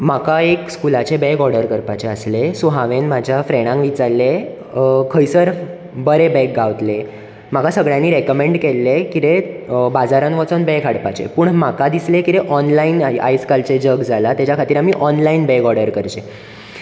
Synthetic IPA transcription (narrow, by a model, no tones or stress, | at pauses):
makaekskulat͡ɕebeɡɔɾɽəɾkəɾpat͡ɕeəslesuɦaʋenmad͡ʑʱjafɾeɽ̃ãŋʋit͡saɾle | kʰəjsəɾ | bəɾebɛk̚ɡaʋt̪le | makasəɡɭjanːiːɾekəmeɳɖkelːekit̪ebad͡zaɾanʋət͡sənbɛkʰaɽpat͡ɕḛpuːɳmakad̪islekit̪eʔɔnlaina̰jskalt͡ɕed͡ʑəɡd͡zʱalat̪jat͡ɕjakʰat̪iːɾamiːʔɔnlainbɛɡɔɾɖəɾkəɾt͡ɕe